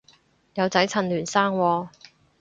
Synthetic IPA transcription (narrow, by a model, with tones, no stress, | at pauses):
jɐ˨˧wt͡sɐ˨˥jt͡sʰɐ˨˩nlyː˨˩nsaː˥ŋwɔː˧